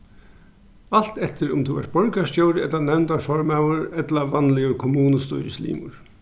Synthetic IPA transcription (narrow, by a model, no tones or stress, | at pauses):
al̥t̪ɛht̪ɪɾʊmt̪ʰuɛ̰ɾ̥t̪̚b̥ɔɹkast̪jowɾɪɛt̪anɛwnt̪aɾfɔɹmaːwʊɾɛt̪laʋanːlɪjʊɾkʰʊmuːnəst̪ʊ̰ɾɪslḭːmʊ̰ɹ